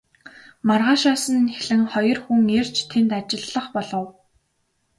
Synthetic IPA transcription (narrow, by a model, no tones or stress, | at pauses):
marʁaːʃɔːsə̆nxeɮɘ̆ŋχɔjɞ̆rxuŋer̥t͡ɕt̪ʰent̪at͡ɕɪ̆ɮːə̆χpɔɮɞ̆w